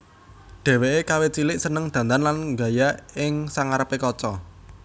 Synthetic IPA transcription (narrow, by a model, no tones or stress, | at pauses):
ɖ̪̥ɛ̤weʔekawet͡ʃilɪʔsənəŋd̪̥ä̤nt̪anlanŋɡa̤jaɪŋsaŋaɾəpekɔt͡ʃɔ